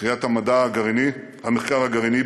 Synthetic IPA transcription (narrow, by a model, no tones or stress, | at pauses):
ijat̪hamadaːɡaʁini | hameχkaʁaɡaʁini